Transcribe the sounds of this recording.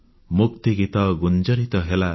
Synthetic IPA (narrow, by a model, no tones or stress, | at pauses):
mukt̪eɡit̪ʌɡund͡zʌɾit̪ʌɦela